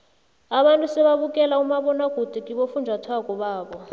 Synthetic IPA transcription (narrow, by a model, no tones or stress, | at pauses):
aɓantʼusɛβaβukʼɛlaumaɓɔnaɡ̥ʱud̥ʱikʼiɓofund͡ʒʱatʰwakʼɔɓaːɓɔ